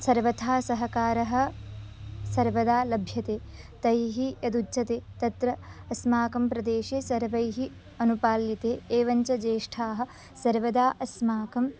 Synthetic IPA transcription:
sɐɾʋɐt̪ʰaːsɐɦɐkaːɾɐɦɐ̆ | sɐɾʋɐd̪aːlɐbʱjɐt̪eː | t̪ɐjɦijɐd̪ut͡ʃɐt̪eːt̪ɐt̪ɾɐːsmaːkɐmpɾɐd̪eːʃeːsɐɾʋɐjɦi | ɐnupaːljit̪eːeːʋɐɲt͡ʃɐd͡ʒeːʂʈʰaːɦɐ̆ | sɐɾʋɐd̪aːʔɐsmaːkɐm

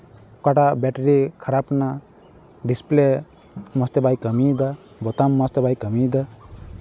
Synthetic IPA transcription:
kɔʈabɛʈɾikʰaɾapna | ɖisple | mʌst̪ebajkəmid̪a | bɔt̪amːʌst̪ebajkəmid̪a

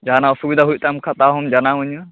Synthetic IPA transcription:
d͡ʒanaɔsubid̪aɦuj̚t̪amkʰat̪aɦɔmd͡ʒanauɲa

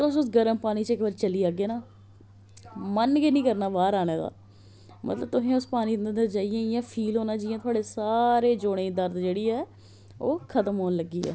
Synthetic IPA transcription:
ət̪əbsʊs̬ɡəɾəmpaːniːt͡ʃɪkʋaːɾt͡ʃəliːaːɡeːnaː | mənɡinĩːkəɾnaːʋaːɾaːneːd̪a̰ː | mʔə̰t̪ləb̚t̪ʊsẽːʊspaːniːnd̪ənd̪əɾt͡ʃaːiãːjãːpʰiːlɦoːnãːd͡ʒiːjãːt̪ʰʊaːɽeːsaːɾeːd͡ʒoːɽ̃ẽːd̪əɾd̪d͡ʒeːɽiːɛː | oːkʰət̪əmɦoːnləɡːiːɛ̰ː

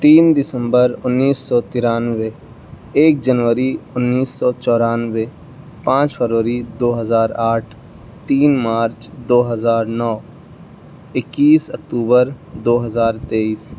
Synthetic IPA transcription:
t̪iːnd̪ɪsə̃mbəɾʊnːiːsːɔːt̪ɪɾaːnʋe | eːk̚d͡ʒənʋəɾiʊnːiːsːɔːt͡ʃɔːɾaːnʋe | pãːt͡ʃpʰəɾʋəɾid̪oːɦəzaːɾaːʈʰ | t̪iːnmaːɾt͡ʃd̪oːɦəzaːɾnɔː | ɪkːiːsək̚ʈuːbəɾ | d̪oːɦəzaːɾt̪eːiːs

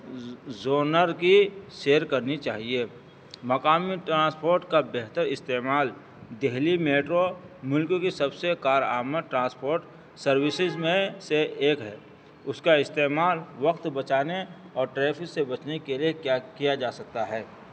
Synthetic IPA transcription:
zoːnəɾkiʃeːəɾkɐɾnit͡ʃaːɦie | mɐkaːmiʈɾãːspoːɾʈkabeɦt̪əɾɪst̪eːmaːl | d̪eɦlimeːʈɾomʊlkokisɐbsekaːɾa̰ːməd̪ʈɾãːspoːɾʈ | sɐɾwɪsɪzmẽseeːkɦɛː | ʊskaɪst̪eːmaːlʋɐqt̪bɐt͡ʃaːne | ɔːɾʈɾɛːpʰɪksebɐt͡ʃnekeliekjakijad͡ʒaːsɐk̚t̪aɦɛː

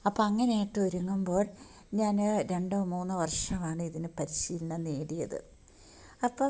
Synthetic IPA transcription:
ɐpːoɐŋːɐneːiʈːɨʋɐɾuŋːumbo̞ːɭ | ɲaːnɾe̞ɳɖoːmuːnːɨʋɐrʂɐmaːɳɨiðinɨpɐɾiɕiːlinːɐneːɽijɐðɨ̰ | ɐpːoː

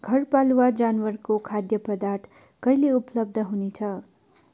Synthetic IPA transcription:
ɡ̥ʱʌrpaluwad͡zanwʌrkokʰad̪jʌpʌd̪art̪ʰ | kʌjleuplʌb̚d̪ʱʌɦunet͡sʰʌ

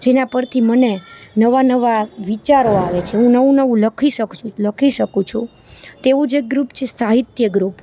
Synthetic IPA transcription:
d͡ʒenapəɾt̪ʰimənenəʋanəʋaʋit͡ʃaɾoaʋet͡ʃʰeɦũnəʋũnəʋũləkʰiʃəkt͡ʃʰũləkʰiʃəkũt͡ʃʰũ | t̪eʋũd͡ʒeɡɾupt͡ʃʰesaɦit̪jəɡɾup

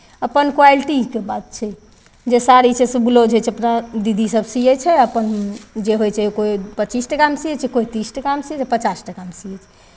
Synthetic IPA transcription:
əpənkwalʈikebat̪̚t͡ʃʰɛ | d͡ʒesaɾit͡ʃʰɛsəbulod͡ʒɛjt͡ʃʰɛəpnad̪id̪isəbʱsijɛt͡ʃʰɛəpənd͡ʒeɦojt͡ʃʰɛkoipətːt͡ʃisʈəkamsijɛt͡ʃʰɛkoit̪isʈəkamsiɛt͡ʃʰɛpət͡ʃasʈəkamsijɛt͡ʃʰɛ̥

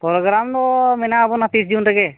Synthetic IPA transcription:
pɔɾɔɡɾamd̪ɔmɛnaːbɔnat̪isd͡ʒunɾɛɡɛ

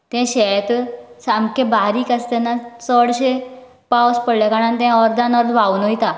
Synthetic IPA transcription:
t̪ɛ̃ɕɛt̪samkebaɾiːkast̪ɛnːat͡səɽɕe | pawspəɽljakaɽ̃ant̪ɛ̃ɔɾd̪anɔɾd̪ʋawːnojt̪a

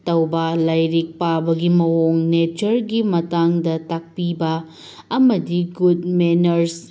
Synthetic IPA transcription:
tɐwbɐlajɾik̚pabɐɡimɐɦoŋnet͡ʃɐɾɡimɐtaŋdɐtak̚pibɐː | mɐdiɡudmenɐɾs

